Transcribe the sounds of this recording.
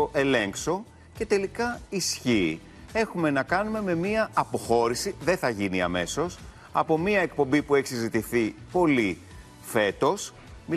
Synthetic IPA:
oʔe̞le̞ŋkso̞ | ce̞t̪e̞likɐisçiː | e̞xume̞nɐkɐnume̞me̞miɐːpo̞xo̞ɾisiðe̞θɐʝiniɐ̰me̞so̞s | ɐ̰po̞miɐe̞k̚po̞mbipue̞çi̥sizit̪iθipo̞li | fe̞t̪o̞s | mi

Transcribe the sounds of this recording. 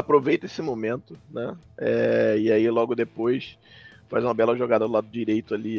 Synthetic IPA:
apɾovejt̪ɐesɪmomẽnt̪ʊnɛɛɪailɔɡʊd̪epojs | fazũmɐbɛlɐʒoɡad̪ɐd̪ʊlad̪ʊd͡ʒiɾejt̪ʊali

